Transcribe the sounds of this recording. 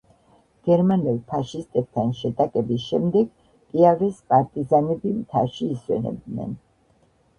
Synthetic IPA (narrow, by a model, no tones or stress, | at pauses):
ɡ̥ɛɾmanɛlˠpʰaʃist̪ʼɛb̚t̪ʰanʃɛt̪ʼakʼɛbisʃɛmd̪ɛɡ | pʼiavɾɛskʼaɾt̪ʼizanɛbimt̪ʰa̰ʃiːswɛ̰nɛ̰b̚d̪nɛ̰n